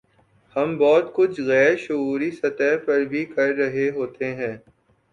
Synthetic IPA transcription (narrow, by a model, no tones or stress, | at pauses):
hɐmbɔːt̪kʊt͡ʃʰɣɛːɾʃʊuːɾisɐt̪ɛɦpɐɾbʱikɐɾːɐɦeɦoːt̪eɦɛ̃ː